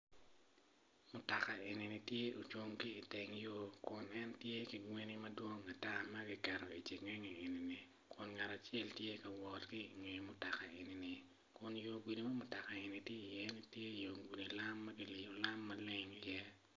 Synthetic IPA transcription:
mʊ˨ta˨ka˨e˨ni˨nɪ˨tje˦o˨t͡ʃwo˦ŋkiː˦˨tɪ˨ŋjo˦kʊ˨nɛ˦ntje˦ki˨ŋwe˦ni˦mɐ˦dwo˦ŋa˨ta˦mɐ˦ɡɪ˦kɛ˨ɾo˨i˨t͡ʃi˨ŋɛ˦ɲi˨e˨ni˨ni˨ | kʊ˨nŋa˨ɾa˨t͡ʃɛ˦ltje˦kɐ˨wɔ˨tki˦i˨ŋe˨mʊ˦ta˨ka˨e˨ni˨nɪ˨ | kʊ˨njo˨ɡwi˨li˨ma˦mʊ˨ta˨ka˨e˨ni˨tje˦i˨jɛ˦ni˦tje˦˨jo˨ɡʷi˨li˨la˦mːɐ˦ɡɪ˦li˨jo˨la˦mːɐ˦le˦ŋi˦jɛ˦

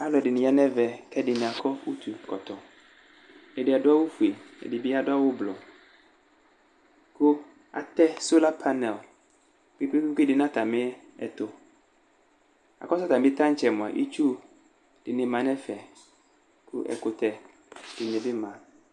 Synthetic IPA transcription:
a˦lɔ˨ɛ˨dɪ˨nɪ̃˨a˦nɛ˦vɛ˨kɛ˦dɪ˨nɪ̃˨a˨kɔ˦wu˦t̪ʰu˨kɔ˨t̪ɔ˨ | ɛ˨dɪ˨a˨dʊ˦a˦wʊ˦fu˨e˨ɛ̰˨di˨bi˦a˨dʊ˦a˦wʊ˦blɔ˨ | kʊ˦ | a̰˨t̪ɛ˦so˦la˦pʰa˦nɛ˨l | ki˦bi˦i˦ki˦dɪ˨nã˦t̪a˨mɪ̃˦ | ɛ˨t̪o˨ | a̰˨kɔ˦sɔ˦t̪a˨m˦ɪ˦t̪ã˦t͡ʃɛ˨mʊ̃˨a̰˨ʔḭ˦t͡ʃu˦ | dɪ˨nɪ̃˨mã˨˦nɛ̃˦fɛ˨ | kṵ˦ʔɛ̰˨kʊ˨t̪ɛ˨ | d̥ɪ˨ɲ˨ɛ˨bɪ˦mã˨

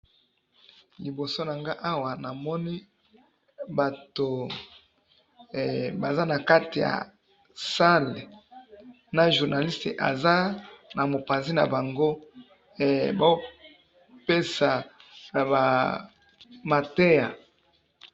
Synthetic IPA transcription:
li˨bo˨so˦na˨ŋɡa˦ʔa˦wa˨na˨mɔ˦ni˦ | ba˨to˨ | ba˨za˦na˨ka˦ti˨ja̰˨ | sa˦le˨ | na˨ʒu˨ʁna˨li˦ste˨ʔa̰˨za˦na˨mo˨pa˨nzi˦na̰˨ba˨ŋɡo˦ | e˨ba˦o˦ | pe˦sa˨ | ba˨ | ma˨te˦ja˨

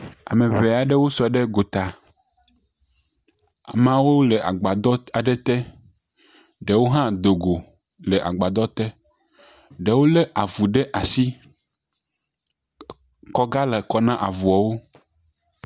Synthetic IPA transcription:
a̰˨mẽ˨βe˨a˨ɖe˦wo˦su˨a˨ɖe˦ɡo˨t̪a˨ | a̰˨mã˦wo˦le˨ʔa̰˨ɡ͡ba˨d̪ɔ˦a˨ɖɛ˦t̪ɛ˦ | ɖe˨wo˦ɦã˦d̪o˨ɡo˨ | le˨ʔa̰˨ɡ͡ba˨d̪ɔ˦t̪ɛ˦ | ɖe˨wo˦le˦ʔa˨vu˨ɖɛ˦ʔa˨si˦ | kɔ˦ɡa˦le˨kɔ˨nã˦ʔa˨vu˨ɔ˨wo˦

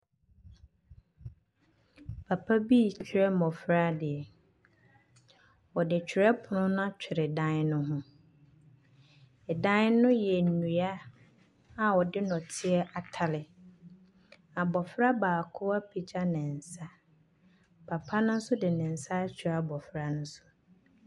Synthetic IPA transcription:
pʰa˨pʰa˦bi˦˨t͡ɕʰᶣɾɛ˦mɔ̃˨fɾa˦dɪ˨ɛ˨ | wɔ˨dɪ˨t͡ɕᶣʰɪ˨ɾɛ˦pʰʊ˨nʊ̃˦nʊ̃˦a˦t͡ɕᶣʰɪ˨ɾɪ˨dã˦n˦nʊ̃˦ɦʊ̃˦ | ɛ˨dã˦nɪ˦nʊ̃˦jɛ˨nũ˨a˦ | a˨wɔ˨dɪ˦nɔ̃˨tʰɪ˦ɛ˦ʔa˨tʰa˨lɪ˨ | a˨bɔ˨fɾa˦baː˨kʰʊ˦a˦pʰi˨d͡ʑa˦nɪ̃˨n̩˨sa˦ | pʰa˨pʰa˦nʊ̃˦n̩˦sʊ˦dɪ˨nɪ̃˨n̩˨sa˦t͡ɕʰᶣɪ˨ɾa˨bɔ˨fɾa˦nʊ̃˦sʊ̥˦

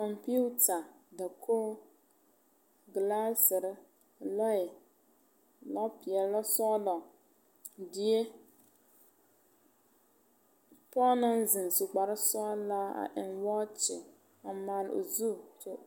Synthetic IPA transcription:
kɔ˨mpi˦u˦ta˨da˨kʰoː˦ | ɡla˦sɪ˨ɾɪ˦ | lɔ˦ɪ˨ | lɔ˦pɪ˨ɛ˨˦a˦sɔ˦lɔ˨ | dɪ˨e˦ | pɔ˦na˦nzɪ˨n˨su˨ɡ͡ba˨ɾɪ˦sɔː˦la˦a̰˨ʔɪ̰˨nwɔ˦t͡ʃɪ̰˨ | a˨maː˨lo̰˨zu˦˨t͡ʃo˦

